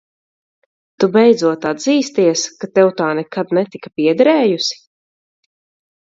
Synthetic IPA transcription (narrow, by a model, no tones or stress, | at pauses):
t̪ubɛjd̪zuɔt̪ad̪ziːst̪iɛskat̪ɛwt̪aːnɛkad̪nɛt̪ikapiɛd̪ɛɾɛːjusi̥